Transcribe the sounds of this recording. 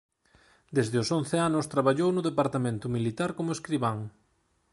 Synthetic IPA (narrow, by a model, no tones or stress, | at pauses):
d̪ezðɪʊson̟θeanʊst̪ɾaβaʎownʊðepaɾt̪amẽnt̪ʊmilit̪aɾkomʊeskɾiβaŋ